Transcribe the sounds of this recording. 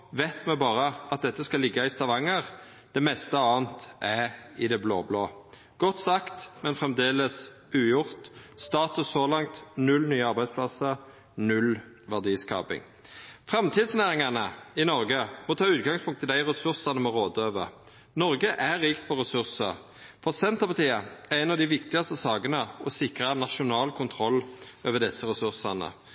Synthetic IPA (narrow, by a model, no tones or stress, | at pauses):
ʋɛt̪mɛbɑːɾəɑt̪̚d̪ɛt̪ːəskɑlɪɡːɑɪst̪ɑʋɑŋəʁ | d̪̥ɛmɛst̪əɑːnt̪ʔæɪd̪ɛblo̰ːbloː | ɡ̥ɔt̪ːsɑkt̪mɛnfʁɛmd̪eːləs | ʉːjʊʁt̪st̪ɑːt̪ʉssɔlɑŋt̪nʉlnyːəɑʁbæɪspʰlɑsəɾ | nʉl | ʋæʁd̪iːskɑ̰ːpɪ̰ŋ | fʁɑmt̪ʰiːd̪snæːɾɪŋɑnəɪnɔɾɡəmɔt̪ʰɑːʉːt̪̚ɡɑŋspʰʊŋkt̪ɪld̪æɪʁɛsʉʁsɑnəmɔʁoːd̪øːʋə | nɔɾɡəʔæɾiːkt̪̚pʰɔʁɛsʉʁsəʁ | fɔʁsɛnt̪əpɑt̪ʰiːəæʁɛɪnɑʋd̪ɪʋɪkt̪ɪɑst̪əsɑːɡənəɔsɪkɾənɑʂʊnɑːlkʰʊnt̪ʰʁɔlːøːʋəd̪ɛsːəɾɛsʉʁsɑnə̰